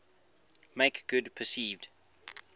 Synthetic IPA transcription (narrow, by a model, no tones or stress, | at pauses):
meɪkɡ̥ʊdpʰəsiːvd̥